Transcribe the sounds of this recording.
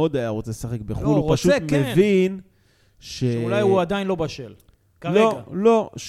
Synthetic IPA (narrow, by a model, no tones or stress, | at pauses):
od̪ajaʁot͡selesaχe̞k̚beχulupaʃutmevin | ʃeulajuad̪ainlo̞baʃel | kleoalo̞ʃ